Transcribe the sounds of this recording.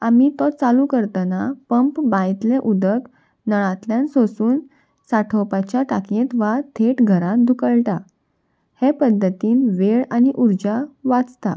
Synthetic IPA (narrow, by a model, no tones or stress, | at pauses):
amit̪ɔt͡salukəɾt̪anapəmpbajt̪leʔud̪ək | nəɭãt̪ljãnsosuːn | saʈʰɔpat͡ɕjaʈakjẽt̪ʋat̪ʰeʈɡʱəɾãt̪̚d̪ʱukəɭʈa | hepəd̪ʱːət̪iːnʋeɭaniʔuɾd͡ʑaʋat͡st̪a̰